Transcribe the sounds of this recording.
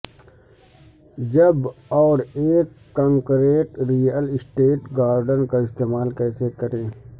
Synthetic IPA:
d͡ʒɐbɔːɾeːkːɔ̃ːŋkɾeːʈɾijəlɪsʈeːʈɡaːɾɖənkaɪst̪eːmaːlkɛːsekɐɾẽː

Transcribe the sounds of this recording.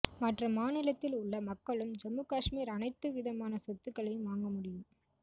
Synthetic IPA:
mɐʈrɐmaːnɪlɐt̪ːɪlʊɭːɐmɐkːɐɭɯmd͡ʒɐmːɯkaːʂmiːɾɐnɐɪt̪ːɯʋɪðɐmaːnɐsɔt̪ːɯkːɐɭɐɪmʋaːŋɡɐmʊɽɪjɯm

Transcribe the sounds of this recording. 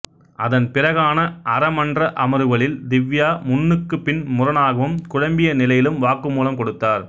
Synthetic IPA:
ʔɐðɐnpɪrɐɣaːnɐʔɐɾɐmɐndrɐʔɐmɐɾɯʋɐɭɪld̪ɪʋːjaːmʊnːɯkːɯpːɪnmʊɾɐnaːɣɐʋɯmkʊɻɐmbɪjɐnɪlɐjɪlɯmʋaːkːɯmuːlɐmkɔɽɯt̪ːaːɾ

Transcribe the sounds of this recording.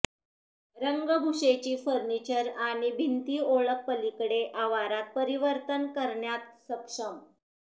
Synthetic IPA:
ɾəŋɡəɡʱuʂet͡ɕiːfəɾnit͡ɕəɾaɽ̃ibʱint̪iːoɭək̚pəlikɽeʔaʋaɾak̚pəɾiʋəɾt̪ənkəɾɳjat̪̚səkʂəm

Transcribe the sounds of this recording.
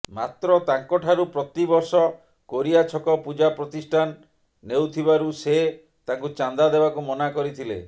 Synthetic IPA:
mat̪ɾɔt̪aŋkɔʈʰaɾupɾɔt̪ibɔɾsɔ | koɾiat͡ʃʰɔkɔpud͡ʒapɾɔt̪isʈʰanː | ewt̪ʰibaɾuse | t̪aŋkut͡ʃand̪ad̪ebakumɔnakɔɾit̪ʰilḛ

